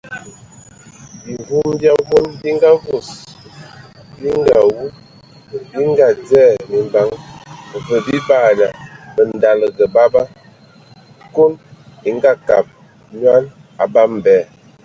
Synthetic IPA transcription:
bi˨vu˦mbja˦vo˦nbi˦ŋɡa˦vo˨s | bi˦ŋɡa˨wu˦ | bi˦ŋɡa˦d͡zɛ˦˨mi˨mba˨˦ŋ˨və˨bi˦ba˦˨na˨bə˨n˨da˨lə˨ɡə˨ba˦ba˦ | ko˦ni˨ŋ˦ɡa˦ka̰˨p̚ | ɲwa˦n | a̰˨ba˦m˨bɛː˨

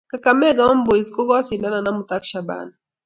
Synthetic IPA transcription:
ka˨ka˨mɛ˦ɡa˨wa˦mbɔ˨i˨zkɔ˦ɡɔ˦a˦si˨da˦na˨na˦mu˨ta˦kʃa˨ba̰na

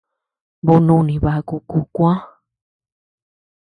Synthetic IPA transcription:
bo˧nũ˧nĩ˨βa˧ku˧ku˧˨kʷã˦

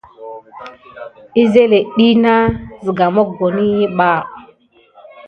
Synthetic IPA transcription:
i˦ze˦le˨ɗi˦na˦zi˨ɡa˨mo˦ɡo˨ni˦ji˦ɓa˦˨

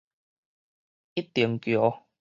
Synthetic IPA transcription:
i˦˥t̪ːi˨˩əŋkjɔ˨˦

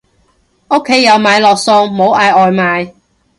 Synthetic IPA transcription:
o˥kʰːe˨˥jːɐ˨˧wmaː˨˧jlɔː˨k̚sʊ˧ŋmo˨˧˥wʔaː˨˧jʔɔː˨jmaː˨˧j

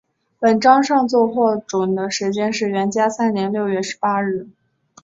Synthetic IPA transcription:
pə˨˩nʈ͡ʂɑ˥ŋʂɑ˥˧ŋt͡swɔ˥˧xwɔ˥˩ʈ͡ʂwʊ˨˩ŋd̪ə˦ʂɻ̩˧˥t͡ɕjɛ˥nʂɻ̩˥˩ɥɛ˧˥nt͡ɕja˥sa˥nnjɛ˧˥nljo˥˧ʊɥɛ˥˩ʂɻ̩˧˥pa˥ɻɻ̩˥˩

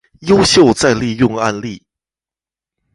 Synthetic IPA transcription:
jo˥ʊɕjo˥˧ʊt͡sa˥˧ɪli˥˧jʊ˥˧ŋa̰˥˧nli˥˩

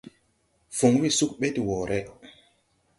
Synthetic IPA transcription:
fu˨ŋ˦wi˦su˦k̚ɓe˦ti˨wɔ˨ɾʔɛ˦

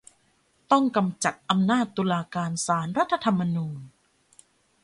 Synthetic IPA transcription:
t̪ɔ˥˩ŋka˧mt͡ɕa˨˩t̪̚ʔa˧mnaː˥˩t̪ːuː˧laː˧kaː˧nsaː˩˦nɾa˦˥t̪ʰːa˧t̪ʰa˧mːa˧nuː˧n

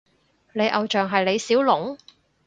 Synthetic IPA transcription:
ne˨˧jʔɐ˨wt͡ʃœː˨ŋɦɐ˨jle˨˧jsiː˨˥wlʊ˨˥ŋ

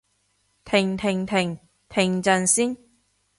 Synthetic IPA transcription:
t̪ʰɪ˨˩ŋt̪ʰɪ˨˩ŋt̪ʰɪ˨˩ŋ | t̪ʰɪ˨˩ŋt͡sɐ˨˧nsiː˥n

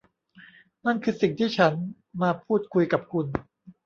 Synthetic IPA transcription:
na˥˩nkʰɯː˧si˨˩ŋt̪ʰiː˥˩t͡ɕʰa˦˥n | maː˧pʰuː˥˩t̪̚kʰu˧jka˨˩p̚kʰu˧n

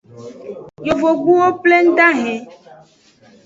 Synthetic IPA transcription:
jo˨vo˨ɡ͡bu˦wo˦ple˦ŋ̩˦ɖ̪a˦ɦɛ̃˨

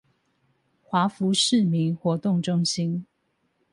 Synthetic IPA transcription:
xwa˧˦˥fu˨˦ʂɻ̩˥˨mi˨˦ŋxwɔ˨˦t̪ʊ˥˨ŋʈ͡ʂʊ˥ŋɕi˦n

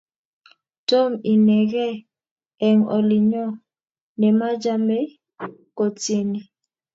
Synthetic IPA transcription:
to˦mi˨nɛ˨ɣɛ˦ | ɛ˨ŋɔ̰˨li˨ɲɔ˦˨ | nɛ˨ma˦d͡ʒa˦mɛ˦ | ko˨t͡si˦ni˨

